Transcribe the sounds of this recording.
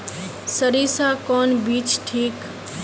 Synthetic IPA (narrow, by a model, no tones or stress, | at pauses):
səɾiːsaːkɔːnbiːt͡ʃʈʰiːk